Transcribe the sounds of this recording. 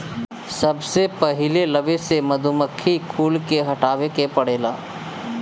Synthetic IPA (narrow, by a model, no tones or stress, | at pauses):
sɐbsepɐɦɪlelɐʋesemɐd̪ʱʊməkʰːikʰuːlkeɦɐʈaːʋekepɐɽeːla̰ː